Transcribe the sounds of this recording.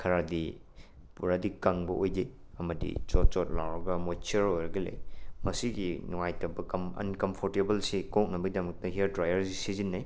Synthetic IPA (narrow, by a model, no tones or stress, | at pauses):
kʰɐɾadi | puɾadikaŋbɐʔojde | ɐmɐdḭt͡ʃɔt̚t͡ʃɔt̚lawɾɐɡɐmot͡ʃiɐɾojɾɐɡɐlḛjmɐsiɡinuŋajtɐbɐkɐmɐ̰nkɐmpʰoɾtebɐlsikok̚nɐbɐɡidɐmɐk̚tɐɦiɐɾdɾajɐɾsisizinːaj